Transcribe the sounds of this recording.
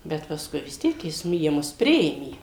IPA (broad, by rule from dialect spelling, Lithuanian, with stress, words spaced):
ˈbʲɛt pɐsˈkʊɪ ʋʲɪs ˈtʲiɛk jɪs nʊ jiɛ ˈmʊs ˈpʲrʲɪeːmʲeː